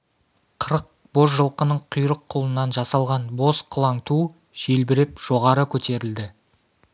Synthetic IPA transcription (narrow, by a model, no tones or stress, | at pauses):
qʰəɾəq̚ | bo̞zʒəlˠqənəɴqʰʊjɾəqʰːʊlˠənːɑnʒɑsɑlˠʁɑnbo̞sqʰʊlˠɑŋt̪u | ʒ̥e̞lbɪɾepʒ̥o̞ʁɑɾəkʲʰɵt̪e̞ɾɪld̪ɪ